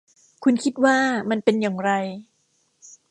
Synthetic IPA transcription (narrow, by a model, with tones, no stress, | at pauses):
kʰu˧nkʰi˦˥t̪̚waː˥˩ma˧npe˧njaː˨˩ŋɾa˧j